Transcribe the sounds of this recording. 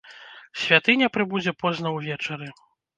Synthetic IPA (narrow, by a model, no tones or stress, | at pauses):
sʲvʲat̪ɨnʲɐpɾɨbud͡zʲɛpɔznɐwvʲɛt͡ʂɐɾɨ